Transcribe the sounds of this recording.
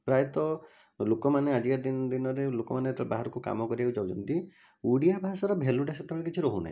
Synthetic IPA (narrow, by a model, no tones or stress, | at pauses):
pɾajɔt̪ɔ | lokɔmanead͡ʒikaɾd̪ind̪inɔɾelokɔmanet̪ɔbaɦaɾɔkuka̰mɔkɔɾiaud͡ʒawt͡ʃʰɔnt̪i | uɽijabʱasɔɾɔbʱeluʈaset̪ebeɭ̃k̬it͡ʃʰiɾɔɦuna̰ɦḭ̃